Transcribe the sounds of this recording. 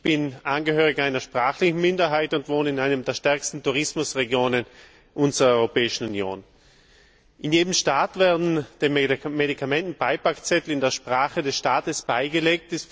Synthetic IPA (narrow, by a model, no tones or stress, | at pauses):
b̥ɪnʔanɡəhøːʁɪɡaɪnɐʃpʁ̥aːχlɪçn̩mɪndɐɦaɪtʊntv̥oːnɪnaɪnəmdeːɐʃtɛɐkstn̩tuʁɪsmʊsʁeɡjoːnən | ʔʊnzʁɐɔʏʁopɛːɪʃn̩unjo̰ːn | ʔɪnjeːdəmʃtaːtv̥ɛɐdn̩d̥eːmmedikʰamɛntn̩b̥aɪpakt͡sɛtl̩ɪndeːɐʃpʁ̥aːχədɛsʃtaːtəsb̥aɪɡəleːk̚tɪs